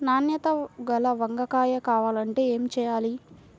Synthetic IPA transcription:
naːnjɐt̪ɐɡɐlɐʋɐŋɡɐkaːjɐkaːʋaːlɐɳʈe̞ːeːmit͡ʃɛːjaːli

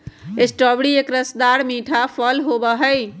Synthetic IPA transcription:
esʈɔbɽiekɾəsd̪aɾmiʈʰapʰəlɦobəɦəj

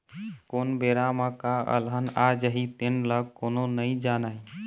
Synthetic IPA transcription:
koːnbeɾamə̃kaə̰lɦənad͡ʒəɦit̪enləɡ̚kononəid͡ʒanai

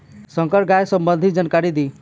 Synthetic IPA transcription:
sʌŋkʌɾɡajsʌmbʌnd̪ʱid͡zʌnkaɾid̪i

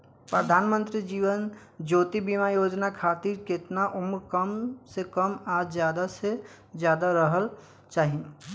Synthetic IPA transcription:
pɾəd̪ʱaːnmə̃nt̪ɾid͡ʒiːʋən | d͡ʒoːt̪ibimajoːd͡ʒnakʰaːt̪iɾkɪt̪naʔʊmukəmsekəmaːd͡ʒzjaːd̪ase | zjaːd̪aɾəɦəl | t͡ʃaːɦĩ

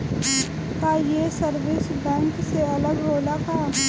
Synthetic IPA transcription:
k̪aːjesəɾʋɪsbɛ̃ːŋkseɐləɡɾoːlakaː

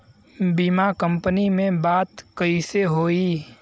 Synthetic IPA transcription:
bimakə̃mpənimẽbaːt̪kəiseɦoːiː

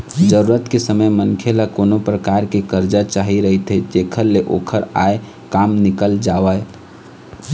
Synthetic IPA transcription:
d͡ʒəɾuɾət̪kesəməjmənkʰelakonopɾəkaɾkekəɾd͡ʒat͡ʃaɦiɾəɦit̪ɦed͡ʒekʰəɾleʔokʰəɾa̰e | kamnɪkəld͡ʒaʋəe

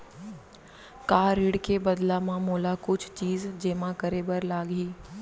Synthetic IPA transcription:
kaːɾɪɽkebəd̪lamãmoːlakʊt͡ʃʰt͡ʃiːzd͡ʒeːmãkəɾebəɾlaːɡɦiː

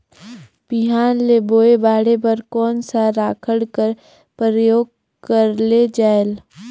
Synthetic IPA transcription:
b̥iɦaːnleboːebaːɽepəɾkɔːnsaɾaːkʰəɽkəɾ | pɾəjoːɡ̚ | kəɾled͡ʒaːel

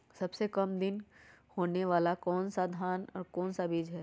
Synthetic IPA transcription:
sɐbsekɐmd̪ɪnhoːneʋaːlakɔːnsad̪ʱaːnɔ̰ːɾkɔːnsabiːd͡ʒɦɛː

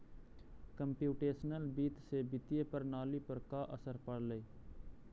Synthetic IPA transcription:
kəmpjuːʈeːsnəlbiːt̪seːbɪt̪ieːpəɾnaːliːpəɾkaːʔəsəɾpəɽləiː

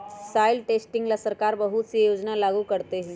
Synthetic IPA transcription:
saːɪlʈeːsʈɪ̃ŋɡlasɐɾkaːɾbɐɦʊt̪sijoːd͡ʒnalaːɡukɐɾt̪eɦɛ̃ː

